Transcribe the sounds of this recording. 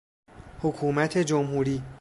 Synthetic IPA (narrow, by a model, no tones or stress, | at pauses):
hokʰuːmæt̪ʰe̞d͡ʒomhuːɾiː